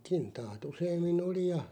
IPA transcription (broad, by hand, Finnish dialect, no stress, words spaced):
kintɑːt useːmːin oli jɑ